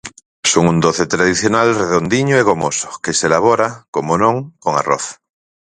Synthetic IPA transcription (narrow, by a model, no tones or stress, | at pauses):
soŋund̪oθet̪ɾaðiθjonalreðond̪iɲoeɣ̞omoso̥keselaβ̞oɾakomonõŋkoŋa̰roθ